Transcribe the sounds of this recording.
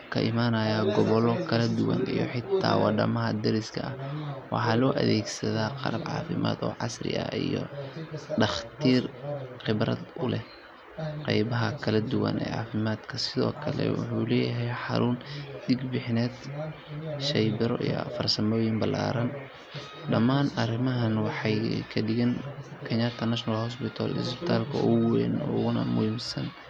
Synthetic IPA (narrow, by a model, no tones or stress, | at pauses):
kʰɐʔɪmaːnɐjaɡɔβɔlɔkʰɐlɐd̪ʊwɐnijɔħɪt̪ʰːaːwɑɖɐmɐɦɐd̪ɛɾɪskʰɐɐwɑħɑːlɔːʔɐðɛːɡsɐðaːqɑɾɐbʕɑ̰ːfɪma̰ːd̪ɔːʕɑsrɪ̰ʔɐ̰ijɔ | ɖɑχt̪ʰiːrqɪbɾɐ̰d̪ʔʊlɛh | qɑjbɐɦɐkʰɐlɐd̪ʊwɐ̰nʔɛ̰ːʕɑːfɪmaːd̪kʰɐsɪðɔːkʰɐlɛ̰wʊ̰ħuːlɛːjɐɦɛjħɑɾʔʊnd̪iɡbɪħnɛːd̪ | ʃɛjbɪɾɔ̰ʔḭjɔ̰fɐrsɐmɔːjɪmbɐla̰ːɾɐn | ɖɐmaːnɐrɪmɐɦɐnwɑħɑjkʰɐɖɪɣɛnkʰɛɲat̪ʰɐnɐʃnɐlhɔs̬pɪt̪ʰa̰lsbɪ̥t̪ʰaːlkʰɐʔʊwɛ̰nʊɣʊnɐ̰mʊhiːmsɐn